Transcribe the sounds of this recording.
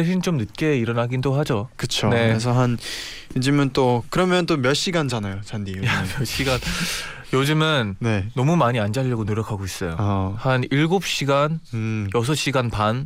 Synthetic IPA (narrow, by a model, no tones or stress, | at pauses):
ɭɕʰint͡ɕ͈omnɯt̚k͈e̞iɾʌnaɡindoɦad͡ʑokɯt͡ɕʰone̞ɯɾes̬ʰʌɦan | ed͡ʑɯmɯnt͈okɯɾʌmjʌntomjʌɕ͈iɡand͡ʑanajot͡ɕandijamjʌɕ͈iɡan | jod͡ʑɯmɯnne̞ːʌmumaɲiand͡ʑaʎːʌɡonoɾjʌkʰaɡois͈ʌjohaniɭɡop̚ɕ͈iɡanjʌs̬ʰʌɕ͈iɡanpan